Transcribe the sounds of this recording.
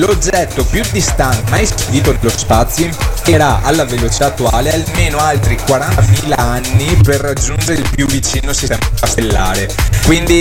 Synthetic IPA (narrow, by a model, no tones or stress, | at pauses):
lod͡ʒːɛt̪ːopjud̪ːist̪ant̪majspuviːt̪od̪elːospat̪sjoimpt̪eɾaʔa̰lːavelot͡ʃi̥t̪aːt̪ːuaːlealmeːnoalt̪ɾikwaɾanamiːlaanːiperːad͡ʒːund͡ʒeɾeilpjuvːit͡ʃiːnosisɛmkapelːaːɾekwind̪i